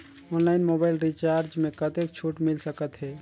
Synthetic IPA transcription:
onlaɪnmobaɪlɾit͡ʃaɾd͡ʒmẽkət̪ek̚t͡ʃʰuʈmilsəkət̪ɦɛ

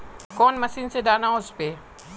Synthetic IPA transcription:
kɔːnməsiːnsedaːnaːʊspeː

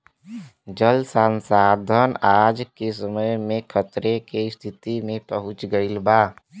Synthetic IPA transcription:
d͡ʒəlsãːnsaːd̪ʱənaːd͡ʒkes̬əməjmẽkʰət̪ɾekest̪ʰɪt̪imẽpəɦʊ̃t͡ʃɡəɪlbaː

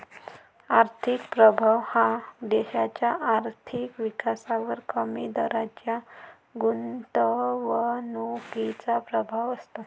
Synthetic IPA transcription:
aɾt̪ʰikpɾəbʱaʋhãd̪ɛɕat͡ɕjaʔaɾt̪ʰikʋikasaʋəɾkəmid̪əɾad͡ʑja | ɡunt̪əʋənokit͡sapɾəbʱaʋəst̪a

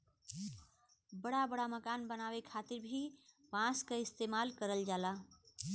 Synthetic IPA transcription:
bəɽabəɽaməkanbənawekʰat̪iɾbʱipãskeɪst̪emalkəɾəld͡ʒala

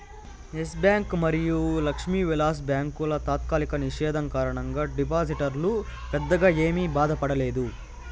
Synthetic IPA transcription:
esbjaːŋkmɐɾijulɐkʂmiːʋilaːs̬bjaːŋkulɐt̪aːt̪kaːlikɐniʂɛːd̪ʱɐŋkaːɾɐɳɐŋɡaːɖipaːs̬iʈɐɾlu | pɛd̪ːɐɡaːe̞ːmibaːd̪ɐpɐɽɐleːd̪u

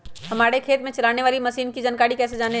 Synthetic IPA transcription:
hɐmaːɽekʰeːt̪mẽt͡ʃɐlaːneʋaːlimɐsiːnkid͡ʒɐnkaːɽikɛːs̬ed͡ʒaːne

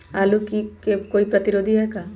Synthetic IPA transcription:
aːlukikekoːipɾɐt̪iɾoːd̪ʱiɦɛkaː

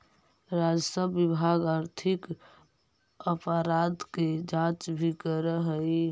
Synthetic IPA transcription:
ɾad͡ʒsəbːibʱaɡaɾt̪ʰɪk | əpəɾad̪ked͡ʒãt͡ʃbʱikəɾəɦəi

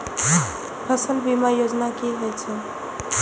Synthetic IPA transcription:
pʰəsəlbimajod͡ʒnakiɦəjt͡ʃʰɛ

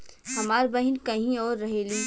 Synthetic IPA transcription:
hɐmaːɾbɐɦɪnkɐɦĩɔːɾːɐɦeːliː

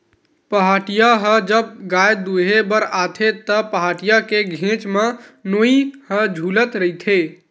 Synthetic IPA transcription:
pəɦaʈijaɦə̃d͡ʒəb̚ɡajd̪uɦebəɾat̪ʰet̪əpəɦaʈijakeɡʱẽt͡ʃmenoihə̃d͡ʒʱulət̪ɾəit̪ʰe

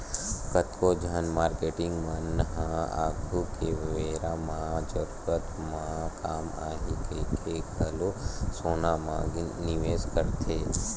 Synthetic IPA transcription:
kət̪kod͡ʒʱanmaːɾkeʈɪ̃ŋɡmãnəɦãa̰ːkʰukeʋʋeɾamãd͡ʒəɾuɾət̪mãkaːma̰ɦik̪ʰekʰeɡʱəlosoːnamã̰ɡnɪʋeskəɾt̪ʰe

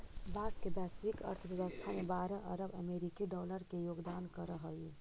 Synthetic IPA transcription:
baːskebɛːswikə̰ɾt̪ʰəʋjəʋəst̪ʰamẽbaːɾəʔɐɾəbəmeːɾikiɖɔːləɾkejoːɡd̪aːnkəɾəɦəli

